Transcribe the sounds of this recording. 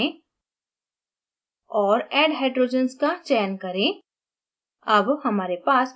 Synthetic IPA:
ẽ | ɔːɾɛːɖɦeːɖɾoːd͡ʒənskat͡ʃɛːnkɐɾẽ | ɐbhɐmaːɾepaːs

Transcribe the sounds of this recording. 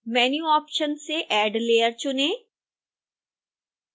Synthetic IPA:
mɛːnjuɔːpʃənseʔɛːɖleːəɾt͡ʃʊnẽː

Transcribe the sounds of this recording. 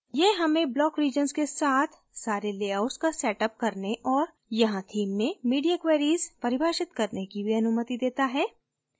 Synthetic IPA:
jeːɦɐmẽblɔːkɾiːd͡ʒənskesaːt̪ʰ | saːɾeleːaʊskasɛːʈəp̚kɐɾneʔɔːɾ | jɐɦãt̪ʰiːmːẽmiːɖijakʋeːɾiːzpɐɾɪbʱaːʃɪt̪kɐɾnekibʱiɐnʊmət̪id̪eːt̪aɦɛː

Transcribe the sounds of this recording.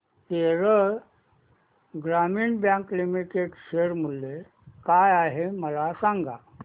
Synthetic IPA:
t̪eɾə | ɡɾamiːɳbjãŋkːlimikeʈɕeɾmulːe | kajaɦeməlasaŋɡa̰

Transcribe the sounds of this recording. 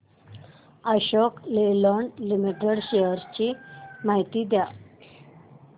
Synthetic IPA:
əɕɔklelɔɳɖlimiʈeɽɕejəɾt͡ɕimaɦit̪iːd̪ja

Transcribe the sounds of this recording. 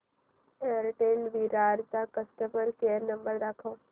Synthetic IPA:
eəɾʈeːɳɖʋiɾaːɾt͡ʃakəsʈəməɾkeːəɾnɐ̃mbəɾd̪akʰõː

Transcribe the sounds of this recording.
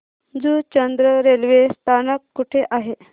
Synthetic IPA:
d͡zut͡ɕənd̪ɾəɾelʋest̪ʰanəkːuʈʰeʔaɦe

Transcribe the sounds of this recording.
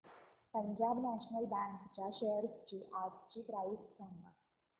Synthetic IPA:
pəɲd͡ʑabnæɕnəlbæ̃ŋkt͡ɕaɕəɦəɾst͡ɕiːʔapt͡ɕiːpɾajussəmːa

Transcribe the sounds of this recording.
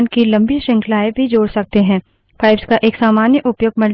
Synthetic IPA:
nkilɐ̃mbiʃɪ̃ŋkʰlaːebʱid͡ʒoːɽsɐk̚t̪eɦɛ̃ː | faːɪbskaʔeːksaːmaːnjəʔʊpjoːɡ̚mɐl

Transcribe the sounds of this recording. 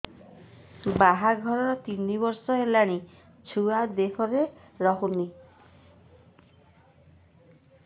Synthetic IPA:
baɦaɡʱɔɾɔɾɔt̪inibɔɾsɔelaɽ̃i | t͡ʃʰuad̪ekʰɔɾeɾɔɦuni

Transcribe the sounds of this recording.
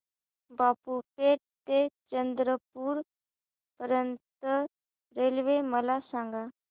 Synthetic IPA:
bapupeʈ̚t̪et͡ɕənd̪ɾəpuːɾ | pəɾjənt̪ə | ɾelʋeməlasãŋɡa

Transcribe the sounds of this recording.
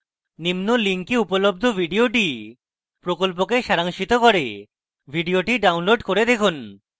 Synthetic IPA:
nimnoliŋkeupolobd̪ʱobʱiɖioʈi | pɾokolp̬okeʃaɾaŋʃit̪okoɾe | bʱiɖioʈiɖawnloɖkoɾed̪ekʰun

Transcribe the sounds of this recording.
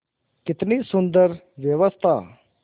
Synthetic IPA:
kɪt̪nisʊ̃nd̪əɾ | ʋjəʋəst̪ʰa

